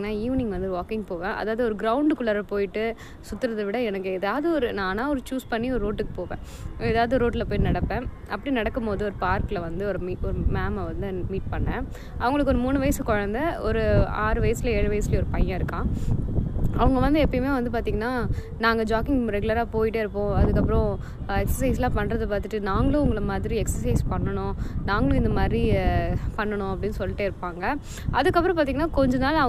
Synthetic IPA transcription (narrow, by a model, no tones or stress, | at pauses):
iŋɡɐnːaːiːʋnĩŋɡɐʋɐnd̪ɯʋaːkɪŋɡpoːʋẽːʔɐ̰ðaːʋɐðɯɔɾɯɡɾɐʊɳɖkʊɭɐɾɐpoːjɪʈːɯ | sʊt̪ːɯɾɐðɐʋɪɽɐɛnɐkːɯɛðaːʋɐðɯɔɾɯnaːnaːɔɾɯt͡ʃuːspɐɳːiɔɾɯɾoːʈːɯkːɯ̥poːʋḛ̃ː | ɛðaːʋɐðɯɾoːʈ̬ːɪlɐpoːjinɐɽɐpːẽːʔɐpːɐɽinɐɽɐkːɯmpoːðɯɔɾɯpaːɾkɪlɐʋɐnd̪ɯɔɾɯmiɔɾɯmaːmʋɐnd̪ɯmiːʈ̚pɐɳːɐ̃ | ɐ̰ʋɐŋɡɐɭɯkːɔɾɯmuːnɯʋɐjɐsɯkɔɻɐnd̪ɐɔɾɯaːɾɯʋɐjɐsɪlɐeːɻɯʋɐjɐsɪlɐɔɾɯpɐjãːɪɾɯkːãː | ɐʋɐŋɡɐʋɐnd̪ɯɛpːɐjmeːʋɐnd̪ɯpaːɾt̪iːŋɡɐnaː | naːŋɡɐd͡ʒaːkɪŋɾɛɡɯlɐɾaːpoːjɪʈːeɪɾɯpːõːɐðɯkːɐpːɾɔ̃ | ɛksɐs̬ɐɪs̬lãːpɐnːɾɐðɐpaːɾt̪ːɯʈːɯnaːŋɡɐɭõʊŋɡɐɭɐmaːðɪɾiɛksɐɾsɐɪspɐɳːɐɳʊ̃ːnaːŋɡɐɭʊ̃ɪnd̪ɐmaːd̪ɾipɐɳːɐɳʊ̃ɐpːɐɽɪnːɯsɔlːɪʈːeːɪɾɯpːaːŋɡɐ | ʔɐðɯkːɐp̬ːɾɔ̃paːɾt̪iŋɐnːaːkɔɲd͡ʒɐnaːlɐɐ